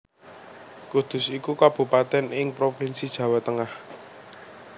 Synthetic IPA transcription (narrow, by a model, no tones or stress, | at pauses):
kud̪̥ʊ̤sikukab̥ṳpat̪ɛnɪŋpɾopinsid̥ʒ̥ä̤wɛt̪əŋah